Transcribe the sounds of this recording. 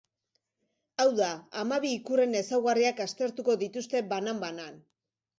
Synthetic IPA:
awðaamaβiːkure̞ne̞sawɣariakast̪e̞ɾt̪uko̞ðit̪ust̪e̞banambanan

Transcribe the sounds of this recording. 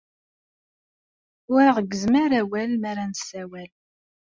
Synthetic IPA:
ʊɾaʁəɡːəzməɾæwælmæɾænsæwæl

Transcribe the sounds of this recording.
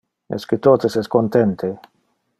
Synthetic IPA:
ɛ̰sket̪ot̪esɛskont̪ɛnt̪ʰe

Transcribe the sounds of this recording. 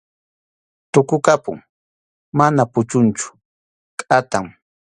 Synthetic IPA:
t̪ʊkʊkapʊ̰ŋ | manapʊt͡ʃʊnt͡ʃʊ̥ | kʼat̪aŋ

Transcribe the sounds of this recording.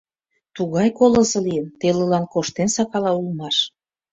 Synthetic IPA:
t̪uɣɑjkolɤ̆zɤ̆lijənt̪elə̆lɑnkoʃt̪ensɑkɑlɑulmɑʃ

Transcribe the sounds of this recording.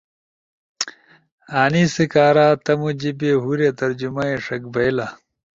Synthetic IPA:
aːnisikaːɾaːt̪ɐmud͡ʑibeɦuɾet̪ɐɾd͡ʑumɐeʂɐkbɐjla

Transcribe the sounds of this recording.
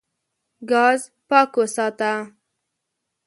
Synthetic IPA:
ɡɑz | pɑkosɑt̪a

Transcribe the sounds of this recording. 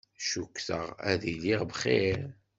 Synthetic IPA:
ʃukːθəʁæ̰ðiliʁbχeɾ

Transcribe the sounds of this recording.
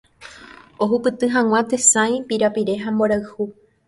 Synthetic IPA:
o̞ɦupɨt̪ɨɦãw̃ãt̪e̞sãj̃piɾapiɾe̞ɦamboɾaɨhu

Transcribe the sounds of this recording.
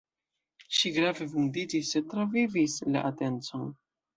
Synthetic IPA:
ʃiɡɾave̞vundid͡ʒisːe̞tɾavivisla̰ʔate̞nt͡so̞n

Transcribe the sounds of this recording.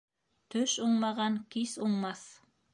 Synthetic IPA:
t̪ʰɵʃuɴmɑʁɑŋkʲʰisuɴmɑs

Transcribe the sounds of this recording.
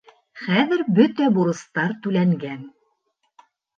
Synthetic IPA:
χæðɘ̆ɾbɵt̪æbuɾɤ̆st̪ɑɾt̪ʉlæŋɡæn

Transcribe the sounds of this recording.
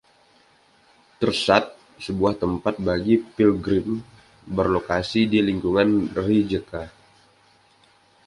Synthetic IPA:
t̪ərsat̪̚ | səbuaht̪əmpat̪̚baɡipilɡɾɪm | bərlokasidiliŋkuŋanrid͡ʒəka

